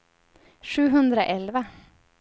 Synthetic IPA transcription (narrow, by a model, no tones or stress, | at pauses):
ʂʉːɦɵnd̪ɾəʔɛlʋə